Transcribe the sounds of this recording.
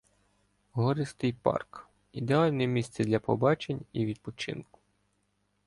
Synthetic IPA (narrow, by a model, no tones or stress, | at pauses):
ɦɔɾɪst̪ɪjpɑ̰rk | id̪eɑlʲnɛmʲist̪sʲɛd̪lʲɐpɔbɑt͡ʃenʲiʋʲid̪̚pɔt͡ʃɪ̰nkʊ̥